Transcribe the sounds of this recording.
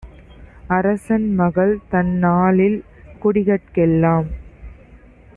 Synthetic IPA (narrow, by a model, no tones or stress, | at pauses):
ɐɾɐsɐnmɐɣɐɭt̪ɐnːaːlɪl | kʊɽɪɣɐʈ̚kɛlːaːm